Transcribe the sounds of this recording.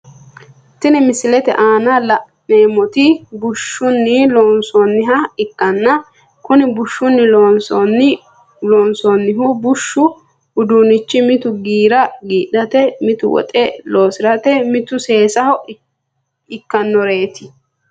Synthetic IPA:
t̪ɪnɪmɪsɪlɛt̪ɛ̰ʔaːnɐlɐʔ | neːmɔt̪ɪbʊʃːʊnːɪloːnsɔnːɪɦɐɪkːɐnːɐ | kʊnɪbʊʃːʊnːɪlonsɔn | loːnsonːɪɦʊbʊʃːʊ | ʊd̪uːnɪt͡ʃːɪmɪt̪ʊɡiːɾɐɡiːᶑɐt̪ɛmɪt̪ʊ̰wɔ̰t̪ʼɛloːsɪɾɐt̪ɛmɪt̪ʊse̞ːsɐhɔʔ | ɪkːɐnːɔɾeːt̪ɪ̥

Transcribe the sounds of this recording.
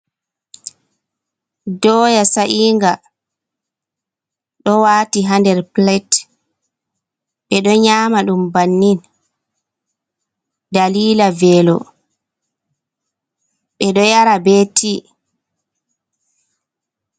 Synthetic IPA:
dɔːjasaʔiːŋɡa | ɗɔwaːtiɦandɛɾplɛt | ɓɛɗɔɲaːmaɗumbanːin | ɗdaliːlavɛːlɔ̰ | ɓɛɗɔjaɾabetʰi

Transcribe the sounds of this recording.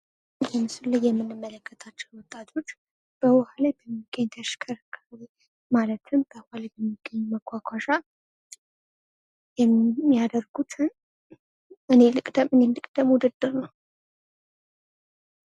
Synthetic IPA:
jɛmɨsulːɨjːɛmːɨnːɨmːələkːət̪ʰat͡ʃːɛnwɔt̪ʼːat̪ʰo̞t͡ʃː | b̥əwɔhalajbəmːiɡ̥ːəɲt̪ʰəʃkʰəɾkʰːaɾe | malət̪ʰɨmbəwhalajbəmːiɡ̥əɲːməkʷʰʼːakʷʰaʃa | jɛmːijad̪əɾɡut͡ʃ̪ʰɨn | ɨne̞lɨkʼd̪əmɨnenlɨkʼd̪əmud̪ɨd̪ːɨɾnəw

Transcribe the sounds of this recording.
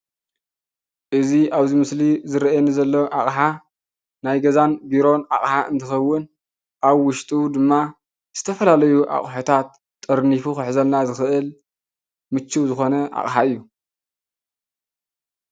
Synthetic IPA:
ʔɨziʔaβzimɨslizɨɾʔenizɐlːoʔaχʼħa | najɡɐzanbiɾo̞na̰χʼħaʔɨ̰nt̪ʰɨxɐwːɨn | ʔaβwʊʃt̪ʼud̪ɨmːa | z̥ɨt̪ʰɐfɐlalɐjuʔa̰χʼħot̪ʰat̪ʼː | ɨɾnifuxɨħzɐlnazɨxɨʔɨl | mɨt͡ʃːuwzɨxo̞nɐʔa̰χʼħaɨjːu

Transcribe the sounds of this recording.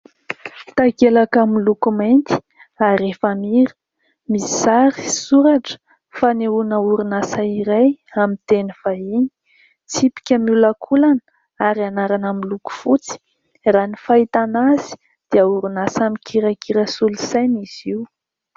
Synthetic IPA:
t̪aɡelakamilukumant̪i̥ | aɾefamiɾə̥ | misizaɾisuɾaʈ͡ʂə̥ | faniunauɾunasaiɾajamit̪eniv̥aiɲi̥ | t͡sipi̥kʲəmulakʰulan | aɾianaɾanamiluku̥fut͡si̥ | ranifait̪anazi̥ | d̪̥iauɾunasamikʰiɾakiɾasulusajniz̥iu

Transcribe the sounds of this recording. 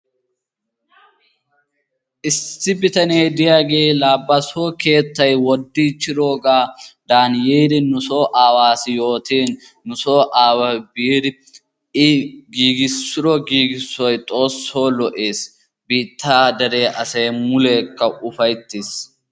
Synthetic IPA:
ʔɪsːɪbɪt̪ɐneːd̪ɪjaːɡeːlaːbːɐsoːke̞ːt̪ːɐjwɔd̪ːiːt͡ʃːɪɾo̞ːɡaːd̪aːnjeːɾɪnʊsoːʔaːwaːsɪjo̞ːt̪iːnː | ʊso̞ːʔaːwɐbiːdɪ | ɪɡiːɡɪsːʊɾɔɡiːɡɪsːɔjt̪ʼo̞ːsːo̞ːlɔʔeːs | biːt̪ːaːd̪ɐɾeːʔɐsɐjmʊleːkːɐʊfɐjt̪ːis

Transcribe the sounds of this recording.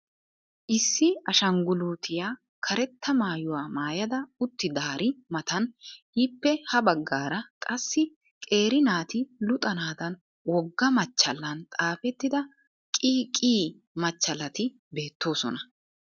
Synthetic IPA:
ʔɪsːɪɐʃɐŋɡʊluːt̪ʰɪjaː | kʰɐɾɛt̪ːɐmaːjʊwaːmaːjɐd̪ɐʊt̪ːɪd̪aːɾɪmɐt̪ɐn | ɪpːɛhɐbɐɡːaːɾɐkʼɐsːɪ | kʼe̞ːɾɪnaːt̪ɪlʊt̪ʼɐnaːd̪ɐn | wɔɡːɐmɐt͡ʃːɐlːɐnt̪ʼaːfɛt̪ːɪd̪ɐ | kʼiːkʼiː | mɐt͡ʃːɐlːɐt̪ɪ | be̞ːt̪ːo̞ːsɔ̰nɐ

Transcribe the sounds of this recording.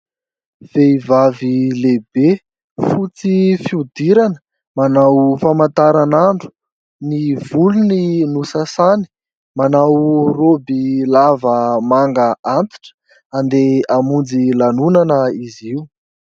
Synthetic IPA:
v̥eivavilebe | fut͡sifiud̪iɾanə̥ | manawfamant̪aɾanaɳɖ͡ʐu̥ | nivuluninusasani̥ | manawrobilavəmaŋɡaʔant̪i̥ʈ͡ʂə̥ | and̪eamund͡zilanunanəiziu

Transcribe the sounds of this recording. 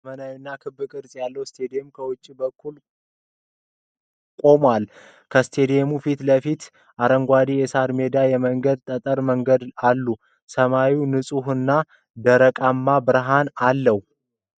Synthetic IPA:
mənawinːakʰɨbːɨkʼɨɾsʼjalːəwst̪ʰed̪jemkʰəwʊt͡ʃʼːibəkʰːul | kʼo̞mwal | kʰəst̪ʰe̞d̪emufit̪ləfit̪ | ʔaɾəŋɡʷad̪ijɛsaɾme̞d̪ajɛməŋɡəd̪̚t̪ʼət̪ʼəɾməŋɡəd̪alːu | səmawiwnɨsʼuhɨnːa | d̪əɾəkʼamːabɨɾɦanalːəhu

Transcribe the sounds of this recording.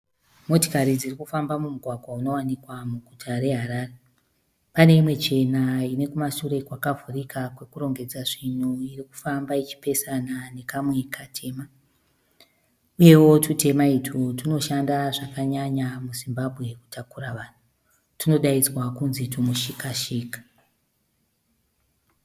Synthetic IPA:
mo̞to̥kaɾid͡zirikufambamumuɡʱwaɡʱwauno̞wanikwamuɡʱutʰaɾe̞ɦaɾaːre | pane̞imwe̞t͡ʃe̞naine̞kumaʃure̞kwakavʱurikʰakwe̞kuɾo̞ŋɡe̞d͡zaʐin̤uiriku̥fambait͡ʃi̥pe̞sanane̞kamwe̞kʰatʰe̞ːma | uje̞wo̞tute̞maitʰutuno̞ʃandaʐakaɲaɲamuzimbabʱɣe̞ku̥tʰakuraʋaːn̤u | tino̞ɗaid͡zwakunzitumuʃikaʃiːkḁ

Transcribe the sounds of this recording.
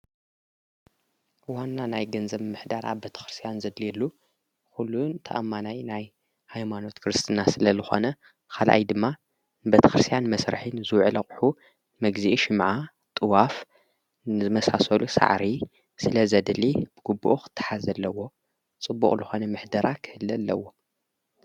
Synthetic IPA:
wanːanajɡɐnzɐβmɨħd̪aɾʔa̰βbet̪ʰɐ̥xɾɨst̪ʰijanzɐd̪liɛlːu | kulːunt̪ʰɐʔamːanajnaj | hajmano̞t̪kʰɨɾɨst̪ʰɨnasɨlɐzɨxo̞̰nɐ | kʰalʔa̰jd̪ɨmːa | bet̪ʰɐ̥xɾɨst̪ʰijanmɐsɾɨ̰ħɨnzɨwʕɨlɐχʼħu | mɐɡziʔiʃɨmʕa | t̪ʼɨwaf | nɨzɨmɐsasɐlusa̰ʕɾi | sɨlɐzɐd̪lib̥ɨɡubːuʔuxɨ̥t̪ʰːɨ̥ħazɐlːɐwo̞ | t͡sʼɨbːṵkʼlɨxo̞nɐmɨħd̪ɐɾʔakʰɨhɨlːɐlːɐ̰wo̞

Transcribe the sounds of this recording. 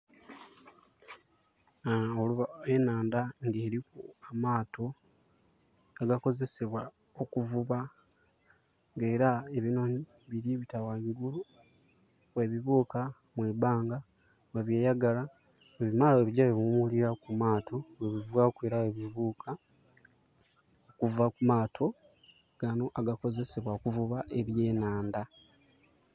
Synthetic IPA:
oluβaenaːndaŋɡeːɾikuamaːtʰo̞ | aɡako̞ze̞se̞βwa | okuvuβa | ŋɡe̞ːɾaeβinoni | βiɾiβitawamiɡulu | weβiβuːka | mwebaːŋɡa | weβje̞ːjaɡala | weβimaːloweβiɟaweβumuliɾakumaːtʰo̞weβivwakweːɾawe̞βiβuːkʰa | okuvakumaːtʰo̞ | ɡ̥ano̞ʔaɡako̞ze̞se̞βwaokuvuβaʔe̞βje̞ːnaːnda

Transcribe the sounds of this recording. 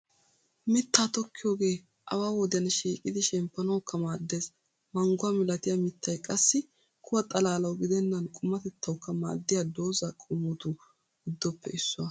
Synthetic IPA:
mɪt̪ːaːt̪ɔkːɪjo̞ːɡe̞ː | ʔɐ̰waːwɔd̪ɪjɐnʃiːkʼɪd̪ɪʃɛmpːɐnɐwkʰːɐmaːd̪ːe̞ːs | mɐŋɡʊwɐmɪlɐt̪ɪjɐmɪt̪ːɐjkʼɐsːɪ | kʰʊwɐt̪ʼɐlaːlɐwɡɪd̪ɛnːɐnkʼʊmːɐt̪ɛt̪ːɐwkːɐma̰ːd̪ːɪjad̪o̞ːzɐkʼʊmːɔt̪u | ʊd̪ːɔpːɛ̰ɪsːʊɐ

